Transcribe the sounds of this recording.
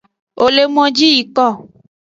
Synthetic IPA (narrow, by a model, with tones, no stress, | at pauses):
o˨le˦mɔ̃˦d͡ʒi˦ji˨kɔ˦˨